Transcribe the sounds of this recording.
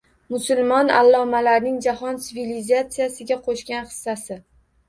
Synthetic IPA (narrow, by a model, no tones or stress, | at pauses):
mʊsʊlˠmɒna̰lˠːɒmalaɾnɪŋd͡ʒahɒnt̪sɪvilizat̪sɪjasɪɡʲaqʰoʃkʲanχɨ̥sːasɪ